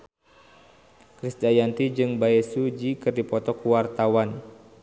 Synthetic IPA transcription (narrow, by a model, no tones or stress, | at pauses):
kɾisdajant̪id͡ʒɨŋbaɛsud͡ʒikɨrdipɔt̪ɔkuwart̪awan